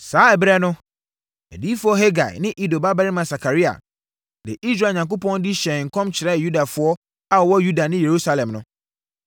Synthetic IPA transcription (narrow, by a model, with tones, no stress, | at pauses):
saː˦ɛ˨bɪ˦ɾɛ˦nʊ̃˦ | ɛ̰˨di˦fʊ˦ɔ˦ɦe˦ɡa̰˨ɪ̰˨nɪ̃˦ʔi˦do˨ba˦ba˦ɾɪ˦mã˨sa˨kʰa˨ɾi˦a̰˨ | dɪ̰˨ʔi˦sɾa˨ɲã˨ŋko˦pʰɔ̃˦n˦di˦ɕɛ˨ŋ̩˨kʰɔ̃˦mt͡ɕʰɪ˨ɾɛ˦˨ju˦da˨fʊ˨˦ɔ˦ | a˦˨wɔ˦ju˦da˨nɪ̃˦je˨ɾu˦sa˦lɛ̃˨mnʊ̃˦